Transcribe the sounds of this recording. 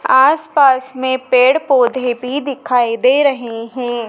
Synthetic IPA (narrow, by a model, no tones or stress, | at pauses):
aːspaːsmẽpeːɽpoːd̪ʱebʱid̪ɪkʰaːid̪eːɾɐɦeɦɛ̃ː